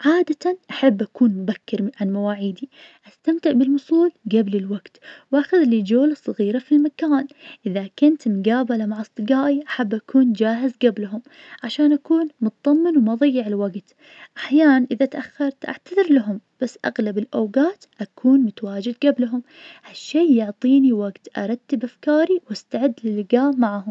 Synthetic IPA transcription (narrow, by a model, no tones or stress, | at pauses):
ʕaːd̪at̪anʔaħabːʔakuːnmʊbakːɪɾʕanmawaːʕiːd̪iʔast̪amt̪ɪʕbɪlwʊsˤuːlɡablɪlwaɡt̪wʔaxʊðlid͡ʒoːlsˤɑɣiːɾafilmakaːnʔɪðakʊnt̪mɡaːbalamaʕɑsˤt̪ˤɨɡaːʔiʔaħabːʔakuːnd͡ʒaːɦɪzɡablɦʊm | ʕaʃaːnʔakuːnmʊt̪ðˤɑmːɪnwmɑðˤɑjːɪʕɪlwaɡt̪ | ʔaħjaːnnʔɪðat̪ʔaxːɑɾˤt̪ʔa̰ʕt̪aðɪɾlaɦʊmb̥asːʔa̰ɣlabɪlʔawɡaːt̪ʔakʰuːnmʊt̪awaːd͡ʒɪd̪ɡablɦʊm | haʃːeːʊʕt̪ˤiːniwaɡt̪ʔɑ̰ɾˤɑt̪ːɪbʔafkaːɾiwʔast̪aʕɪd̪ːlɪlːɪɡaːmmːaʕahʊm